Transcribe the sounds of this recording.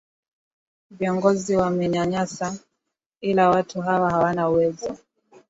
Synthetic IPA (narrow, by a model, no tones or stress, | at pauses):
viɔŋɡɔziwamɛɲaɲasa | ilawatuɦawahawanauwɛzɔ